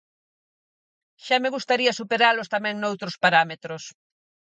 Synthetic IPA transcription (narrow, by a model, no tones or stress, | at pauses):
ʃameɣust̪aɾiasupeɾalost̪amɛ̃ŋnowt̪ɾospaɾamet̪ɾos